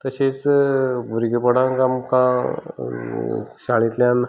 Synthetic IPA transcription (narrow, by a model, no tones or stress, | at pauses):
t̪əɕet͡sbʱuɾɡipəɽãŋkamkã | ɕaɭ̃it̪ljãn